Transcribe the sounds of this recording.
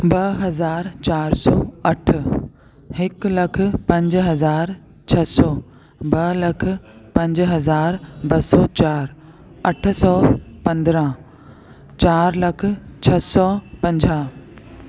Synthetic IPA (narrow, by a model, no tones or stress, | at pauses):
bɐɦɐzaːɾt͡ɕaːɾsɔːɐʈʰə | hɪklɐk̆ʰpɐ̃ɲd͡ʑɦɐzaːɾ | t͡ɕʰɐsɔː | bɐlɐkʰʊ̆pɐ̃ɲd͡ʑɦɐzaːɾbɐsɔt͡ɕaːɾ | ɐʈ̆ʰsɔːpɐ̃nd̪ɾə̃ | t͡ɕaːɾlɐkʰʊ̆t͡ɕʰɐsɔpɐ̃ɲd͡ʑaː